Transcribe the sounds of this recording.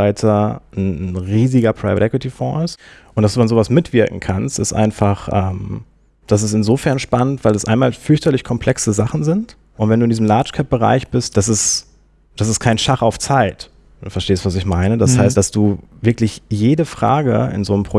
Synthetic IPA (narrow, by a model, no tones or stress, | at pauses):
aɪtʰɐn̩ʁiːzɪɡɐpʁ̥aɪvətɛkwitifɔ̰̃ːɪstʔʊntd̥asd̥uːanzoːvasmɪtv̥ɪɐkŋ̩kʰanstɪstʔa̰ɪnfaχʔɛːm | d̥as̬ɪstɪnzoːfɛɐnʃpanəntv̥aɪldasʔa̰ɪnmaːlfʏɐçtɐlɪçkʰɔmpʰl̥ɛksəzaχn̩zɪnt | ʔʊntv̥ɛnduːɪndizmlaːt͡ʃkʰɛp̚b̥əʁa̰ɪçb̥ɪst̚d̥as̬ɪs | d̥asɪstkʰaɪnʃaχaʊft͡saɪt | d̥uːfɛɐʃteːəstv̥as̬ɪçmaɪnəd̥ashaɪstd̥asd̥uːvɪɐklɪçjeːdəfʁ̥a̰ːɡə̰ɪ̰nzoːnəmpʁ̥o